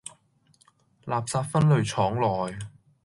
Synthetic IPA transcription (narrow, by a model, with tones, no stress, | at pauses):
laː˨p̚saː˧t̚fɐ˥nlɵ˨˧ɥt͡ʃʰɔː˨˥ŋlɔː˨˩j